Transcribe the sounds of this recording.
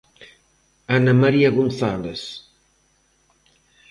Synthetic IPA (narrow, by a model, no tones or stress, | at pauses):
anamaɾiaɣunθaleθ